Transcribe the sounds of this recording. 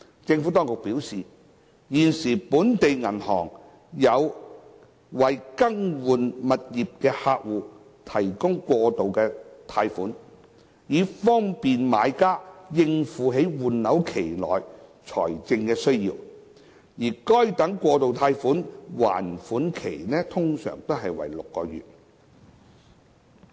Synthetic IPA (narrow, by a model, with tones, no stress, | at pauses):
t͡sɪ˧ŋfu˨˥t̪ɔː˥ŋkʊ˨k̚piː˨˥wsiː˨ | jiː˨nsiː˨˩puː˨˥nt̪e˨jŋɐ˨˩nhɔ̰ː˨˩ŋ | jɐ˨˧w | wɐ˨jkɐ˥ŋwuː˨nmɐ˨t̚jiː˨p̚kɛː˧haː˧k̚wuː˨ | t̪ʰɐ˨˩jkʊ˥ŋkʷɔː˧t̪o˨wkɛː˧t̪ʰaː˧jfuː˨˥n | jiː˨˧fɔː˥ŋpiː˨nma̰ː˨˧jkaː˥jɪ˧ŋfuː˨˥ɦe˨˥jwuː˨˩nlɐ˨˥wkʰe˨˩jlɔ̰ː˨˩jt͡ʃʰɔː˨˩jt͡sɪ˧ŋkɛː˧sɵ˥ɥjiː˧w | jiː˨˩kɔ˥jt̪ɐ˨˥ŋkʷɔː˧t̪o˨wt̪ʰaː˧jfuː˨˥nwa̰ː˨˩nfuː˨˥nkʰḛ˨˩jnɛː˥t̪ʰʊ˥ŋsœ̰ː˨˩ŋt̪o˥wɦɐ˨jwɐ̰˨˩jlʊ˨kːɔː˧jy̰ː˨t̚